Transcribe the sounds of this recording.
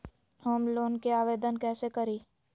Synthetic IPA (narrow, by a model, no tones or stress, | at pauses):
hoːmloːnkeaːʋeːd̪ənkɛːsekəɾiː